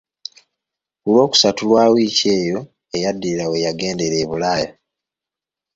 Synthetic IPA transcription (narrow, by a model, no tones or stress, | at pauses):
ulwo̞ːku̥satulwaːwiːce̞ːjo̞ | ejadːiɾawe̞jaɡe̞ːnde̞ɾe̞ːβulaːjo